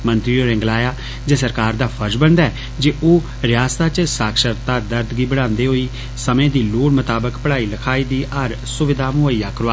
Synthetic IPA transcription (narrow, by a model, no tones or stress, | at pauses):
mə̃nt̪ɾioːɾɛ̃ːŋɡlaːjaː | d͡ʒeːsəɾkaːɾd̪aːpʰəɾd͡ʒbənd̪aɛː | d͡ʒeːʔoː | ɾɪjaːst̪aːt͡ʃsaːkʃəɾt̪aːd̪əɾd̪ɡiːbəɽ̃ãːnd̪eːɦoːiː | səmẽːd̪iːloːɽmət̪aːbəkpəɽaːiːləkʰaːiːd̪iːʔəɾ | sʊʋɪd̪aːmʊəiːaːkəɾaː